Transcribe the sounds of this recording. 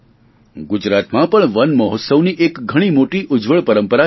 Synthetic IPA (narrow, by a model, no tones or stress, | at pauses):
ɡʊd͡ʒɾat̪mãpəɳʋənməɦot̪səʋniʔekɡʱəɽ̃imoʈiʔʊd͡ʒʋəɭpəɾəmpəɾa